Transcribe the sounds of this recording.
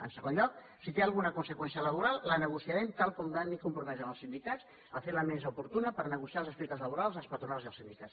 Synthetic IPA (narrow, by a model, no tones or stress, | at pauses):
ə̰nsəɣonʎɔk | sit̪ealˠɣunəkunsəkwɛnsiələβ̞uɾalˠːənəɣ̞usiaɾɛmt̪alˠkɔmd̪anːikumpɾumɛzəməlˠsind̪ikas | əfeləmezəupuɾt̪unəpəɾnəɣ̞usialˠzəspɛk̚t̪əzləβ̞uɾalˠzəlˠspɐt̪ɾunalˠziəlˠsind̪ikas